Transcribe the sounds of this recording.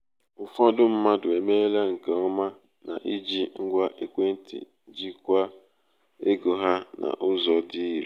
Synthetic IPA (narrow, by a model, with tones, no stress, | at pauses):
ʊ˨fɔ˦dʊ˦m̩˦ma˦dʊ˨e˨me˦le˦ŋ̩˨ke˨ɔ˦ma˦ | na̰˨ʔi˦d͡ʒi˦ŋ̩˦ɡʷa˦ʔe˦kʷe˦n̩˦tḭ˨˦d͡ʒi˦kʷa˦ | e˦ɡo˨ɦa˦na̰˨ʔʊ˦zɔ˨dɪ˦i˦ɾ̰